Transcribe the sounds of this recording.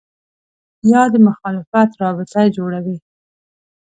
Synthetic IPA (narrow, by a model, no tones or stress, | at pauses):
jɑd̪əmʊxɑlɪfat̪ɾɑbɪt̪ajd͡ʒoɽawi